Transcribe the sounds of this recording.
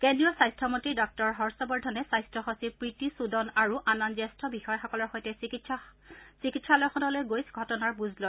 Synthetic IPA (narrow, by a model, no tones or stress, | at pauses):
kendɹijɔsajstʰɔmɔntɹidɔk̚tɔɹɦɔɹsɔbɔɹdʱɔnɛsajstʰɔxosipɹitisudɔnaɹuʔananzɛstʰɔbixɔjɔxɔkɔlɔɹxojtɛii | sikitsalɔjxɔnɔlojɡojsɡʱɔtɔnaɹbuzlo